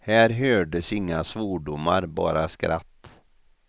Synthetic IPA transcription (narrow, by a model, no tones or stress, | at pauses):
hæːɾɦøːɖəsɪŋːasvoːɖʊmːaɾbɑ̰ːɾaskɾa̰t̪ː